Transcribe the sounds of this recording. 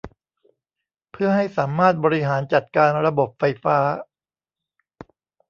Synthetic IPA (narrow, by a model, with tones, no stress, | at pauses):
pʰɯ˥˩ɐɦa˥˩jsaː˩˦mːaː˥˩t̪̚bɔː˧ɾi˦˥ɦaː˩˦nt͡ɕa˨˩t̪̚kaː˧nɾa˧bo˨˩p̚fa˧jfaː˦˥